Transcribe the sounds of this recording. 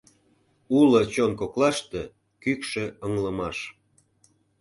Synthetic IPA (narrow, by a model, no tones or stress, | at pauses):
ulɤt͡ɕonkoklɑʃt̪ĕ | kykʃĕəŋləmɑʃ